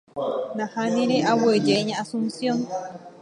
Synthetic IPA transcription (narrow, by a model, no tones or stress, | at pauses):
nãhaniɾeʔawed͡ʒeɲaːsunsjon